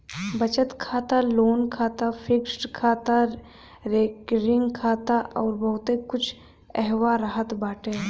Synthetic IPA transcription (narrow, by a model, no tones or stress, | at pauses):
bət͡ʃət̪kʰaːt̪aloːnkʰaːt̪apʰɪksʈkʰaːt̪a | ɾeːkɾɪŋɡkʰaːt̪aɔːɾbɐɦʊt̪ekʊt͡ʃʰ | ɛɦʋaɾaɦət̪baːʈẽ